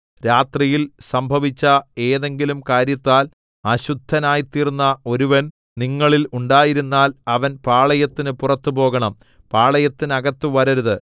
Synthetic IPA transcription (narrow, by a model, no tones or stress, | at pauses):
ɾaːt̪rijilsɐmbʱɐʋit͡ɕːɐe̞ːðe̞ŋɡilumkaːɾjɐt̪ːaːl | ɐɕud̪ʱːɐnaːjt̪iːrnːɐo̞ɾuʋɐn | niŋːɐɭiluɳɖaːjiɾunːaːlɐʋɐnpaːɭɐjɐt̪ːinɨpurɐt̪ːupo̞ːɣɐɳɐm | paːɭɐjɐt̪ːinɐɣɐt̪ːɨʋɐɾɐɾɐðɨ